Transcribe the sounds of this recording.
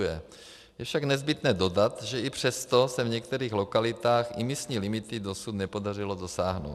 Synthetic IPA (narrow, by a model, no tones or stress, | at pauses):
jɛ | jɛfʃaɡnɛzbɪt̪nɛːdo̞dat̪ʒɛipr̝̥ɛst̪osɛvɲɛk̚t̪ɛɾiːxlokalɪt̪aːxɪmɪsɲiːlimɪt̪ɪdosut̪nɛpo̞dar̝ɪlodosaːɦno̰w